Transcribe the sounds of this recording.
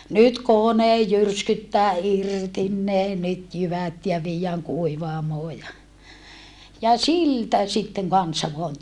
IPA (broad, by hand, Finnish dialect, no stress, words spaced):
nyt konej jyrskytːæː irtin ne nyt jyʋæt jɑ ʋiːjːæːŋ kuiʋɑːmoː jɑ jɑ siltæ sitːeŋ kɑnsɑ ʋoɑn